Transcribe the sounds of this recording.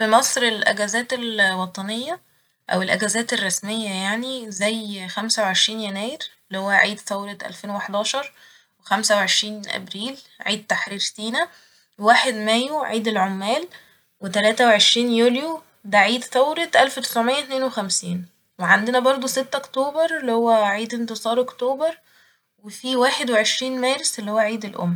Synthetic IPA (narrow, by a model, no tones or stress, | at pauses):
fimɑsˤɾelʔæɡæzæːt̪elwɑt̪ˤɑnejːæ | ʔæ̰welʔæɡæzæːt̪erˤːɑsmejːæjaʕnizæjxæmsæweʕeʃɾiːnjænæːjeɾ | lːihowːæʕiːd̪θæwɾet̪ʔæ̰lfeːnweweħd̪ɑːʃɑɾˤ | wexæmsæweʕeʃɾiːnʔæ̰bɾiːlʕiːd̪̚t̪aħɾiːɾsiːnæ | ewaːħed̪mæjuʕiːd̪elʕomːæːl | wet̪ælæːt̪æweʕeʃɾiːnjuːljo | d̪æʕiːd̪t̪æwɾet̪ʔælfwt̪e̥sʕomejːæt̪neːnwexæmsiːn | weʕand̪enæbɑɾˤd̪ˤoset̪ːʔokt̪oːbɑɾˤlːihowːæʕiːd̪ent̪esˤɑːɾʔokt̪oːbɑɾˤ | wefiwaːħed̪weʕeʃɾiːnmæːɾeselːihowːæʕiːd̪elʔo̰mː